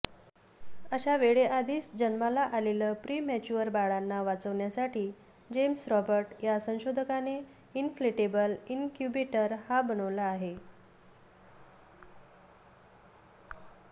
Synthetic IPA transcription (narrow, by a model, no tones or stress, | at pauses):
əɕaʋeɭeʔad̪iːsd͡ʑənmalaʔaleləːpɾiːmɛt͡ɕuəɾbaɭanːaʋat͡səʋɳjasaʈiː | d͡ʑemsɾɔbəɾʈjasə̃w̃ɕod̪ʱəkane | infleʈebəlinkjubeʈəɾhabənəʋlaːɦe